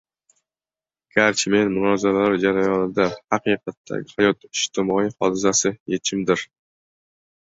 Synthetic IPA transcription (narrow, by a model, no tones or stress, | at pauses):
ɡ̥aɾt͡ʃʰme̞nmʊnɒzaɾalaɾd͡ʒaɾajɒnɪd̪ahɑqɨqʰɑt̪ʰːa̰ɡʲɪhajɒt̪ɪʃt̪ɪmɒijhɒ̰d̪ɪs̬asɪjet͡ʃʰɪmd̪ɪɾ